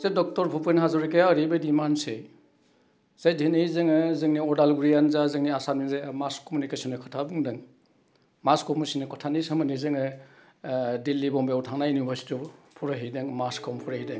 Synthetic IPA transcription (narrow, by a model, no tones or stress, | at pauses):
zedɔk̚tɔɾpʰupɯnɦazɔɾikejaɾibadimanse | z̥ajdʱenijzɯŋɯzɯŋniɔdalɡuɾijanzazɯŋniasaniŋzamaskomunikesɔnɯkʰɔtʰabuŋdɯŋ | maskɔmusinɯkʰɔtʰanisamɯnizɯŋɯ | dilːibɔmbeawtʰaŋnajunibʱaɾsi̥tɔpʰuɾaɦejdɯŋmaskʰɔmpʰuɾahijdɯŋ